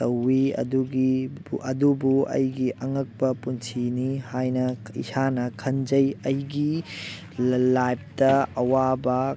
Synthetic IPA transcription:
tɐwːiɐ̰duɡiʔɐdubuɐ̰jɡiʔɐŋɐk̚bɐpunsinihajnɐḭsanɐkʰɐnd͡ʒɐjɐjɡi | lajp̚tɐɐwabɐ

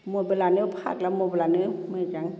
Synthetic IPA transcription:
mubelaːnɯpʰa̰ːk̚lamubelanɯmad͡ʒaŋ

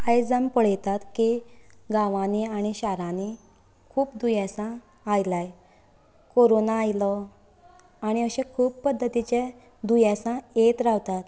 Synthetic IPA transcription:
ajd͡zampəɭ̤jt̪at̪kiɡaʋãniaɽ̃iɕaɾãni | kʰuːpd̪ujɛsãː | jlaj | koɾonaːjlɔ | aɽ̃iəɕẽkʰuːpːəd̪ʱːət̪it͡ɕe | d̪ujasãet̪ɾaʋt̪at̪

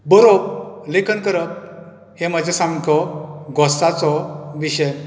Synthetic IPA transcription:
bɔɾob̚lekʰənkəɾəp̚ | heməd͡ʑʱesãmkʰɔɡɔsat͡sɔʋiɕəj

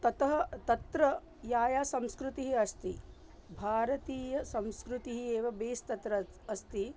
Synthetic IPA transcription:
t̪ɐt̪ɐɦɐt̪ɐt̪ɾɐ | jaːjaːsɐ̃mskɾut̪iɦiɐst̪i | bʱaːɾɐt̪iːjɐsɐ̃mskɾut̪iɦieːʋɐbeːst̪ɐt̪ɾɐɐst̪i

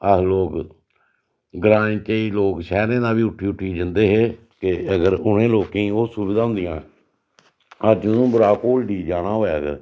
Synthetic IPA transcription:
əloːk | ɡɾãːt͡ʃəiːloːkʃɛːɾẽːd̪aːbiːʊʈʰːiːʊʈʰːiːd͡ʒənd̪eːɦeː | kɪəɡəɾʊɳẽːloːkẽĩːoːsuʋɪd̪aːɦʊ̃nd̪ɪjãː | əd͡ʒʊnũːbʊɾaːkoːlɖiːd͡ʒaːɽaːɦoːeːəɡə̰ɾ

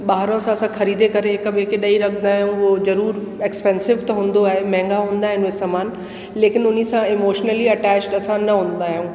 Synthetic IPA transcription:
ɓaːɦɾõsãɐsãxɐɾiːd̪ekɐɾeɦɪkəɓɦekeɗɐiɾɐkʰə̃nd̪aːɦjũozɐɾuːɾekspɛ̃ːnsɪʋt̪ɐɦũːn̆d̪oaːɦemɛ̃ɦːŋɡaɦũːn̆d̪aːɦɪnɪsaːmaːn | leːkɪnʊnisãɪmoːʃnəliɐʈɛːt͡ʃʈɐsãnɐɦũːn̆d̪aːɦijũː

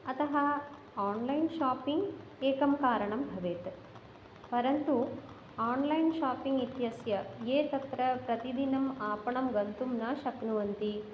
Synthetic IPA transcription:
ɐt̪ɐɦɐ | aːnlɐjnʃaːpiŋɡ | eːkɐmkaːɾɐɳɐmbʱɐʋeːt̪ | pɐɾɐnt̪u | aːnlɐjnʃaːpiŋɡit̪jɐsjɐjeːt̪ɐt̪ɾɐpɾɐt̪id̪inɐmaːpɐɳɐmɡɐnt̪umnaːʃɐknuʋɐnt̪i

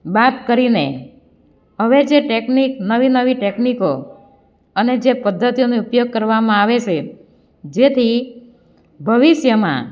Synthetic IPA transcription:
bat̪kəɾine | ɦəʋed͡ʒeʈekniknəʋinəʋiʈekniko | əned͡ʒepəd̪ʱːət̪ijonoupjoɡ̚kəɾʋamãaʋet͡ʃʰe | d͡ʒet̪ʰi | bʱəʋiʃjəmã̰

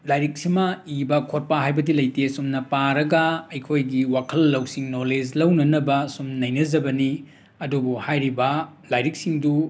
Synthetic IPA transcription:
lajɾik̚simɐibɐkʰot̚paɦajbɐdilɐjtesumnɐpaɾɐɡɐɐjkʰojɡiwakʰɐlːɐwsiŋnoled͡ʒlɐwnɐnɐbɐsumnɐjnɐd͡ʒɐbɐni | ɐdubuhajɾibɐlajɾik̚siŋdu

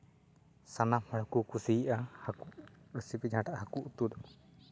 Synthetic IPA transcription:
sanamhaɽɔkukusiːʔahakuɽəsipid͡ʒaʈaʔahakuʔut̪uɗɔ

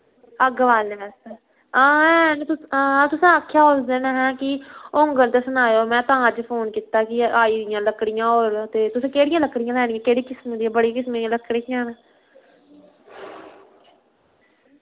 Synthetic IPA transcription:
əɡʋaːlnẽːʋɛːse | ãːɛːnːt̪ʊãːt̪ʊsãːaːkʰːjaːɦosd̪eːnaːɦɛ̃ːkɪoŋɡənt̪eːsənaːjoːmɛ̃ːt̪ãːəd͡ʒpʰoːnkiːt̪aːkɪaːiːd̪ɪjãːləkɽɪjãːoːɾt̪eːt̪ʊsẽːkeːɽɪjãːləkɽɪjãːlɛːɽijãːkeːɽiːkɪsmẽːd̪iːãːbəɽiːkɪsmẽːləkːɽeãːneː

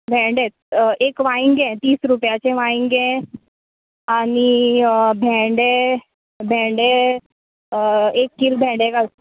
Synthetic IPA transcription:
bʱɛ̃ɳɖet̪̚ | ekʋaĩŋɡɛ̃t̪iːsɾupjat͡ɕẽʋaĩŋɡɡɛ̃ | anibʱɛ̃ɖe | bʱɛ̃ɳɖe | ekːiɾbʱɛ̃ɳɖekal

